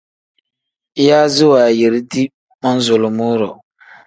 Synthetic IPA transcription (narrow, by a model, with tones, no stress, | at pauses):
jaː˦zɪ˦waː˨je˨ɾi˦di˦ | ma˦n˦zʊ˨lo˨mu˦ɾɔ˨